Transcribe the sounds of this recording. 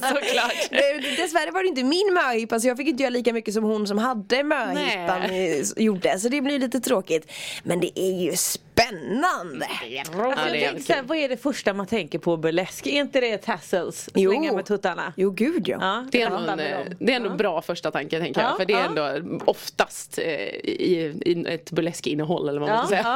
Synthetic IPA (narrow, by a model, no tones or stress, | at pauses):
skʰlɑːʈɛd̪ɛsvæɾːəvaɾɛɪnt̪̬əmɪnmøhɪpas̬ɔjɑɡfɪk̬ːɪnt̪əjœːɾaliːk̬amʏkːəs̬ɔmhʊnsɔmɦad̪ːəmøːɪpːansjʊɖːəs̬ɔd̪ɛblɪɾjliːt̪ət̪ʰɾoːkɪt̪mɛnd̪ɛʔæɾjɵspɛnːand̪əaɔɛŋk̪sæːvaɛɖɛfœʂʈamant̪ʰɛŋkəɾpʰɔbɛlɛskɛɾɪnt̪əd̪ɛt̪ʰæsəlsɛaɾmɛt̪ʰɵt̪ːaɳa̰juːɡʉ̟ːd̪jʊ̰ɑːd̪ɛɛnd̪oːd̪ɛɾɛnd̪oːbɾɑːfœʂʈat̪ʰaŋkənt̪ʰɛŋkəjɑfœɖɛɛnd̪oːɔft̪ast̪ | ɪ̰ɪ̰ɛ̰t̪bɵlɛskɪnːəɦɔlːɛləɾvaksɛjːa